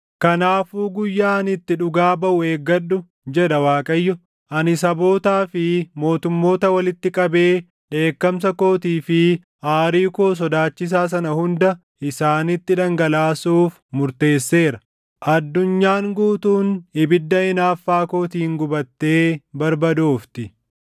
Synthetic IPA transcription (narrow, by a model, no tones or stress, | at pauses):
kɐnaːfuːɡʊjːaːɐnɪt̪ːɪᶑʊɡaːbɐʔʊeːɡːɐɗʊ | d͡ʒɛᶑɐwaːkʼɐjːɔ | ʔɐnɪsɐbo̞ːt̪aːfɪmo̞ːt̪ʊmːo̞ːt̪ɐwɐlɪt̪ːɪkʼɐbe̞ː | ᶑe̞ːkːɐms̬ɐko̞ːt̪iːfɪ | ʔaːɾiːkoːs̬ɔd̪aːt͡ʃːɪs̬aːs̬ɐnɐhʊnd̪ɐ | ʔɪsaːnɪt̪ːɪᶑɐŋɡɐlaːsuːf | mʊɾt̪e̞ːsːe̞ːɾɐ | ʔɐd̪ːʊɲːaːŋɡuːt̪uːnɪbɪd̪ːɐɪnaːfːaːko̞ːt̪iːŋɡʊbɐt̪ːe̞ːbɐɾbɐd̪oːft̪ɪ